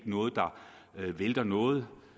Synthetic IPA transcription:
ɡ̥nɔ̽ːð̞̩ˠd̥ɑ̈ | ʋeld̥ɐnɔ̽ːð̩ˠ

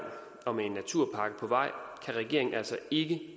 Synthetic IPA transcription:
n | ɒ̽meenːæt͡sʰuɐ̰pʰɑ̈ɡ̥əpʰɒ̽ʋɑ̈ɪ̰kʰæʁɛɡ̥e̝ɐ̰eŋn̩æl̰sɒe̝ɡ̥ə

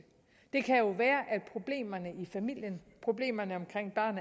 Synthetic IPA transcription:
d̥e̝kʰæjo̝ʋæːɐʔæd̥̚pʰʁo̝b̥le̝̰ːmɐnəifæmil̰jənpʰʁo̝b̥le̝̰ːmɐnəɒ̽mkʰʁeŋ̰b̥ɶɐ̰n

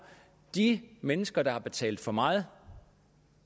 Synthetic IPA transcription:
d̥imenəsɡ̥ɐd̥ɑ̈hɑ̈b̥e̝t͡sʰɛ̰ːld̥̩ˠfɒ̽mɑ̈ːð̩ˠ

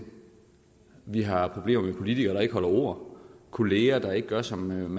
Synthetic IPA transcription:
ʋiɦɑ̈pʰʁo̝b̥le̝ːmɐmepʰo̝lit͡sʰiɡ̥ɐːdɾɑ̈e̝ɡ̥əɦɒ̽lɐo̝̰ɐ̰kʰo̝le̝ːɐd̥ɑ̈e̝ɡ̥əɡ̥ɶɐsɒ̽mmæ

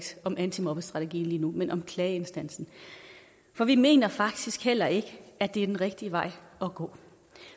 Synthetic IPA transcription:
d̥ɒ̽mʔænt͡sʰimɒb̥əsd̥ʁɑ̈t͡sʰəɡ̥ḭːn̩liːnumenʔɒ̽mkʰlɛːensd̥æn̰sn̩ | fɒ̽ʋime̝̰ːnɐfɑ̈ɡ̥̚d̥isɡ̥hel̰ɐe̝ɡ̥əæd̥e̝æɐ̥enʁɛɡ̥̚d̥iəʋɑ̈ɪ̰ɒ̽ɡ̥ɔ̰̽ː

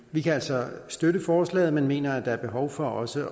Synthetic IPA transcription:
ʋikʰææl̰sɒ̽sd̥øɾəfɒːslɛ̰ːð̞̩ˠmenme̝̰ːnɐæd̥ɑ̈æɐb̥e̝ɦɒʊfɒ̽ɒ̽sə

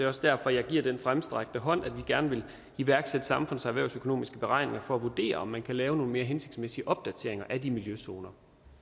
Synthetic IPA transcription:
eɒ̽sd̥æɐfɒ̽jɑ̈ɪɡ̥iɐ̰d̥enfʁamsd̥ʁaɡ̥̚d̥əɦɒ̽n̰æd̥ʋiɡ̥æɐnəʋe̝l | iʋæɐɡ̥sed̥əsɑ̈mfɔ̽n̰sɑʋæɐʊsøkʰo̝no̝̰ːmisɡ̥əb̥e̝ʁɑ̈ɪ̰ne̝ŋɐfɒ̽æʋud̥e̝̰ːɐɒ̽mːænkʰælɛːʊno̝ːn̩me̝ːɐɦense̝ɡ̥d̥smesiəʔɒ̽b̥̚d̥æt͡sʰe̝ɐe̝ŋɐʔæd̥imiljøso̝ːnɐ

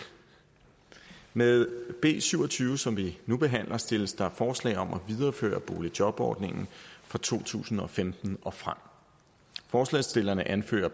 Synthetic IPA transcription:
meðˠb̥e̝̰ːsyʊɒ̽t͡sʰyːʊəsɒ̽mʋinub̥e̝ɦæn̰lʔɐsd̥e̝ləsd̥ɑ̈æfɒːslɛ̰ɪɒ̽mʔɒʋið̞ˠɐːfø̰ːɐb̥o̝ːlid̥jɒ̽b̥ɒ̰ːd̥ne̝ŋn̩fʁɑ̈t͡sʰo̝̰ːt͡sʰṵːsn̩ɒ̽femd̥n̩ʔɒ̽fʁam̰ | fɒːslɛ̰ɪsd̥e̝lɐnəʔænfø̰ːɐ

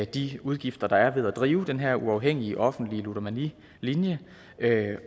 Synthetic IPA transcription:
d̥iuð̞ˠɡ̥ifd̥ɐd̥ɑ̈æɐʋe̝ð̞ˠæd̥ʁiːʊd̥enɦeɐ̰ʔuɑ̈ʊɦeŋ̰iəʔɒ̽fn̩d̥liəlud̥ɒmæni | linjə

